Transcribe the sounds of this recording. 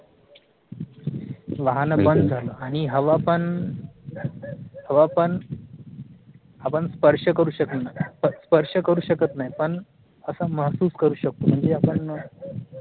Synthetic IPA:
ʋaɦanəbənd̪d͡zʱaləːaɽ̃iɦəʋapəɳ | ɦəʋapəɳ | apəɳspəɾʂəkəɾuːɕəknaəspəɾʂəkəɾuːɕəkət̪naɦjpəɳ | əsaməɦsuːskəɾuːɕək̚t̪om̤əɳd͡zeapəɳ

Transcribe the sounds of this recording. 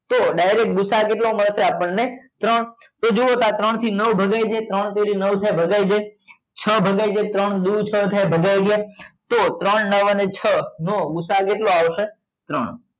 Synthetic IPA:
t̪oɖajɾek̚ɡʊsakeʈloməɾseapəɳnet̪ɾəɳ | t̪od͡ʒoot̪at̪ɾəɳ̃t̪ʰinəʋbʱəɡajd͡ʒet̪ɾəɳt̪eɾinəʋt̪ʰajbʱəɡajd͡ʒe | t͡ʃʰəbʱəɡajd͡ʒet̪ɾəɳd̪ut͡ʃʰət̪ʰajbʱəɡajɡjat̪ot̪ɾəɳnəʋənet͡ʃʰənoɡʊsakeʈloaʋʃe | t̪ɾəɳ

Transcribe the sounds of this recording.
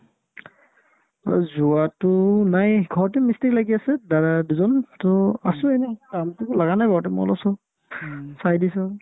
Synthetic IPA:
a̰zuatʊnajɡʱɔɹtimistiɹlaɡiasɛdaɹaduzɔntɔasʊenɛkamtʊlaɡanajbʱaɹɔtɛmɔ̰lɔsɔ | sajdisɔ

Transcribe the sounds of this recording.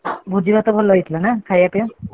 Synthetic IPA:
bʱud͡ʒibat̪ɔbʱɔlːɔjt̪ʰilanakʰajapjɔ

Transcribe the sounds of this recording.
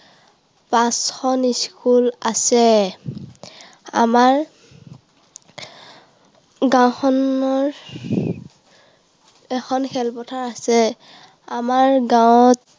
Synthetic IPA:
pãsxɔniskulasɛ | a̰maɹ | ɡãwxʰɔnɔɹ | ɛxʰɔnkʰɛlpɔtʰaɹasɛ | amaɹɡãwt

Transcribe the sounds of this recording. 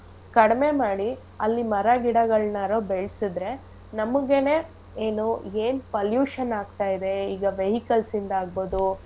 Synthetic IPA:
kɐɽme̞maːɽi | ɐlːimɐɾɐɡiɽɐɡɐɭnaɾoːbeɭsid̪ɾe̞ | nɐmɐɡe̞ne̞ː | eːnueːnpɐljuːʂɐnaːɡt̪aːjid̪e̞iːɡɐʋeɦikɐlsind̪ɐaːɡ̚bo̞ːd̪u

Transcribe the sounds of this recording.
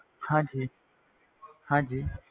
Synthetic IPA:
hãːd͡ʒiː | hãːd͡ʒiː

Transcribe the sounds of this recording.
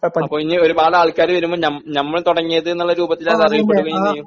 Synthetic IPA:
pɐpːoːinio̞ɾubaːɽaːɭkːaːɾɨʋɐɾumboːnɐmnɐmːɐɭt̪uɽɐŋːijɐðɨnːuɭːɐɾuːbɐt̪ːilɐðɨɐriʋɐp̬ːe̞ʈːuɣɐinːɐjum

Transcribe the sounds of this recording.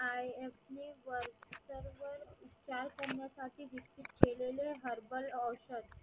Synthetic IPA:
ajefmiːʋəɾksəɾʋəɾitːt͡ɕaɾkəɾɳjasaʈʰiːʋiksit̪keleleɦəɾbələwɕəd̪

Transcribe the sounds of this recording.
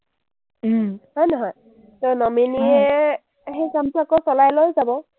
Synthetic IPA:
hɔjnɔɦɔj | tonɔmeniɛ | xejsamtʊakɔsɔlajlojzabɔ

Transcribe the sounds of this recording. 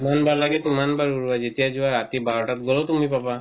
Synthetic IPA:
manbaɹlaɡɛt̪umanbaɹuɹuwazet̪ijazuwaɹat̪ibaɹɔʈat̚ɡɔlɔtumipapa

